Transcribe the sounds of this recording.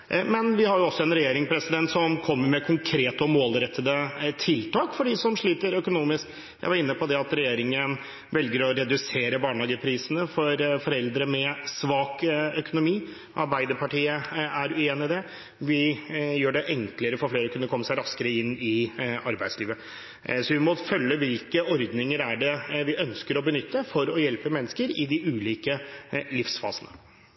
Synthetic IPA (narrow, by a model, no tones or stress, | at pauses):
mɛnʋɪhɑɾjʊɔsːɔɛnɾɛjeːɾɪŋpʰɾɛsɪd̪ɛnt̪sɔmkʰɔmːəɾmɛkʰʊŋkʰɾeːt̪əɔmoːlɾɛt̪ʰːəd̪ət̪ʰɪlt̪ɑːkfɔɖɪsɔmʂɭiːt̪əɾœkʊnuːmɪsk | jæ̰ɪʋɑɾɪnːəpʰɔd̪ɛɑt̪ɾɛjeːɾɪŋən | ʋɛlɡəɾɔɾɛd̪ʉseːɾəbɑːɳɑːɡəpʰɾiːsənəfɔɾfɔɾɛld̪ɾəmɛsʋɑːkœkʊnʊmiː | ʔɑɾbæɪd̪əɾpʰɑʈiːəæɾʉeːnɪd̪ɛ | ʋɪjøːɖɛʔɛŋkləɾəfɔɾfleːɾəkʰʉnːəkʰɔmːəsæɪɾɑskəɾəɪnːɪɑɾbæɪd̪sliːʋə | sɔʋɪmɔfœlːəʋɪlkəɔɾd̪nɪŋəɾæɖɛʋɪʔœnskəɾɔbənʏt̪ːəfɔɾɔjɛlpəmɛnːəskəɾɪd̪ɪʉːliːkəlɪfsfɑ̰ːsənə